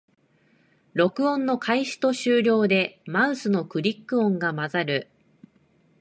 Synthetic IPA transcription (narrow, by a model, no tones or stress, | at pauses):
ɾo̞kɯ̟õ̞nːo̞kʰaiɕi̥t̪o̞ɕɨːɾʲo̞ːd̪e̞maɯ̃sɨno̞kɯ̟ɾʲikːɯ̟õ̞ŋɡamazaɾɯ̟